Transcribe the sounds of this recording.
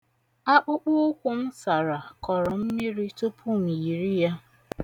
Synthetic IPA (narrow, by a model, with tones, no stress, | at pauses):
a˦k͡pʊ˦k͡pʊ˦ʊ˦kʷʊ˦m̩˦sa˨ɾa˨kɔ˨ɾɔ˨m̩˦mi˦ɾi˦tʊ˦pʰu˦m̩i˨ɾi˦ja˦